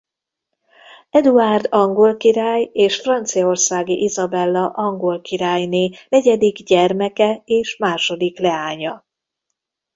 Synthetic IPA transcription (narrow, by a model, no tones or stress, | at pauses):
ɛd̪uaːrd̪ɒŋɡo̞lkiɾaːjeːʃfrɒnt̪sijɒorsaːɡiʔizɒbɛlːɒʔɒŋɡo̞lkiɾaːjneːnɛɟɛd̪iɡɟɛrmɛkɛeːʃmaːʃo̞d̪iklɛaːɲɒ